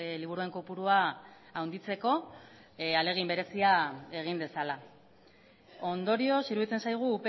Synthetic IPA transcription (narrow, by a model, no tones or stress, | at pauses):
liβuɾue̞ŋkopuɾua | awnd̪it͡se̞ko̞ | ale̞ɣ̞imbe̞ɾe̞siae̞ɣ̞ind̪e̞sala | o̞nd̪o̞ɾio̞siɾuβit͡se̞nsajɣ̞uːpe